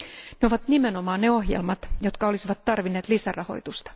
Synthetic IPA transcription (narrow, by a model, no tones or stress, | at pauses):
neo̞ʋɑt̪nimeno̞mɑːnneo̞ɦjḛlmɑt̪jo̞t̪kɑo̞lisiʋɑt̪ːɑrʋinːeːt̪lisærɑho̞̰jt̪ust̪ɑ̥